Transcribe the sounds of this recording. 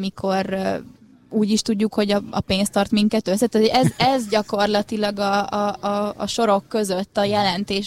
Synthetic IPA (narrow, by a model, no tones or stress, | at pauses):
mikʰo̞r | uːɟiʃt̪uɟːukho̞ɟɒɒ̰peːnst̪ɒrt̪miŋkɛt̪øsːɛt̪æt̪oɛzɛzɟɒko̞rlɒt̪ilɒɡɒ̰ː | ʃo̞ɾo̞kːø̞zøt̪ːɒjɛlɛnt̪eːʃ